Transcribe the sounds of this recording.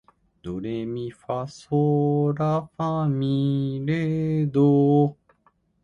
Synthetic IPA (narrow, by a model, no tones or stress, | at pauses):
d̪̥oɾemifasoɾafãmĩɾed̪o